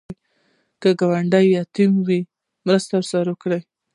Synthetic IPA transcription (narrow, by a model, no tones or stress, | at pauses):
kəɡawaɳɖajjɑt̪imwi | mɾəst̪aɾsaɾokɽaj